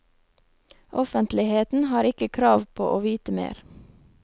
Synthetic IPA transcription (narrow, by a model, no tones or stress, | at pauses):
ʔɔfənt̪lɪheːt̪n̩hɑːɾɪkəkʰɾɑːʋpʰo̰ːʔoːʋiːt̪əmḛːɾ